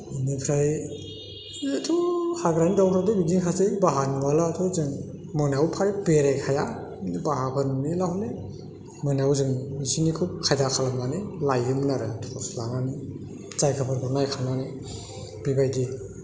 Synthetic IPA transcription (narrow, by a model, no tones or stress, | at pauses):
nɯpʰɾaj | tʰuhaɡɾanidawkʰɾadɯbidiŋkʰasebaɦaniwalatʰɔzɯŋ | mɯnawpʰaɾipeɾajkʰaja | nibaɦapʰɯnnilahɔle | mɯnawzɯŋisinikʰukʰajzakʰalamnanilajɯmɯnaɾɯtʰu̥kʰaslaŋani | t͡ʃajkʰapʰɯɾkʰuɾnajkʰanani | b̥ibajdi